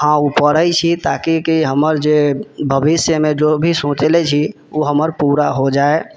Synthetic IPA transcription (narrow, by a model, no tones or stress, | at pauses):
hãupəɽəjt͡ʃʰit̪akikiɦəməɾd͡ʒebʱəbisjəmẽd͡ʒobʱisõt͡ʃelɛt͡ʃʰi | uɦəməɾpuɾaɦod͡ʒae